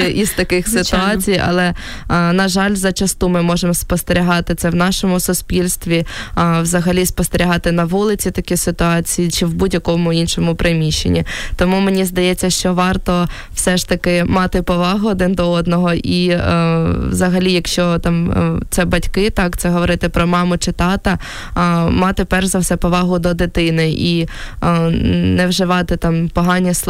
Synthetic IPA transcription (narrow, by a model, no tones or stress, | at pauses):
iz̥t̪ɐkɪxsɪʊɑt͡sʲijɐ̰lˠɛ | nɐʒɑlʲzɐt͡ʃɐst̪umɪmɔʒemspɔst̪eɾʲiɦɑt̪ɪt̪sɛwnɑʃɔmʊsʊsʲpʲilʲst̪ʋʲiwzɐɦɐlʲispɔst̪eɾʲiɦɑt̪ɪnɐʋulˠɪt͡sʲit̪ɐkʲisɪt̪ʊɑt͡sʲijit͡ʃɪwbudʲjɐkɔmʊinʃɔmʊpɾɪmʲiʃḛnʲit̪ɔmumenʲizd̪ɐjɛt͡sʲːɐʃt͡ʃɔʋɑrt̪ɔ | wsɛʃt̪ɐkɪmɑt̪ɪpɔʋɑɦʊɔd̪ɪnd̪ɔɔd̪nɔɦɔʔi | wzɐɦɐlʲijɐkʃt͡ʃɔt̪ɑmt̪sɛbɐtʲkɪt̪ɑkt̪sɛɦɔʋɔɾɪt̪ɪpɾɔmɑmɔt͡ʃɪt̪ɑt̪ɐ | mɑt̪ɪpɛrʒzɐwsɛpɔʋɑɦʊd̪ɔd̪ɪt̪ɪnɪʔi | nɛwʒɪʋɑt̪ɪt̪ɑmpɔɦɑnʲːɐsˠ